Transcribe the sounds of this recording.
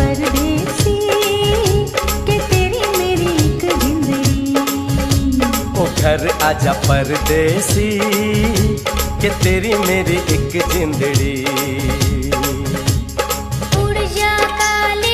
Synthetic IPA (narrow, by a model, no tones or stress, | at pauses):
pɐɾd̪esi | ket̪eːɾimeːɾiɪkzɪ̃nd̪əɡi | oːɡʱɐɾaːd͡ʒapəɾd̪esi | ket̪eːɾimeːɾiʔɪkzɪ̃nd̪əɽiː | ʊɽd͡ʒakaːle